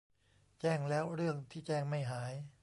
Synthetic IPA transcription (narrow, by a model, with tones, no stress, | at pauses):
t͡ɕɛː˥˩ŋlɛː˦˥wɾɯ˥˩əŋt̪ʰiː˥˩t͡ɕɛː˥˩ŋma˥˩jɦaː˩˦j